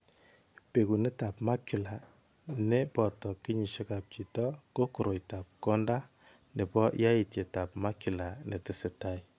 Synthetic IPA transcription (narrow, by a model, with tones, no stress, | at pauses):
pe˨ku˨ne˦ta˨pma˦ki˨la˨ | ne˦pɔ˨tɔ˨ki˦ɲi˨ʃe˦ka˨p̚t͡ʃi˨tɔ˦ko˦ko˨ɾo˨jta˨p̚kɔ˦nda˦ | ne˨pɔ˦ʔja˦i˨tje˨ta˨pma˦ki˨la˨ne˨te˨se˨ta˦i